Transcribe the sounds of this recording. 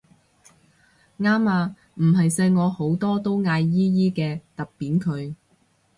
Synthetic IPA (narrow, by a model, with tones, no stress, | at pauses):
ŋaː˥maː˧ | m̩˨˩ɦɐ˨jsɛ˧jŋɔː˨˧ho˨˥wt̪ɔː˥t̪o˥wŋaː˧jːiː˥jiː˥kɛː˧t̪ɐ˨k̚piː˨˥nkʰɵ˨˧ɥ